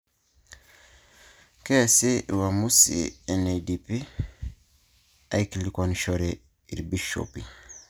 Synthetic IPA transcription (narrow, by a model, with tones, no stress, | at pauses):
kɛ˦˨se˦wa˨mu˦sḭɛ˨nedipi˦ | a˨jkili˨kɔnʃɔɾe | ḭ˨ɾbiʃo̰pi˨